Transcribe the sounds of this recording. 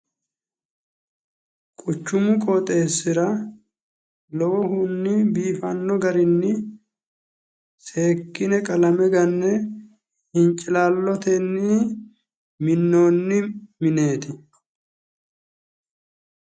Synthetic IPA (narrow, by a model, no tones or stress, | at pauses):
kʼʊt͡ʃːʊmʊkʼɔːt̪ʼe̞ːsːɪɾɐ | lɔwɔɦʊnːɪbiːfɐnːɔɡɐɾɪnːɪ | se̞ːkːɪnɛkʼɐlɐmɛɡɐnːɛ | hɪnt͡ʃʼɪlaːlːɔt̪enːi | mɪnːoːnːɪmɪne̞ːt̪ɪ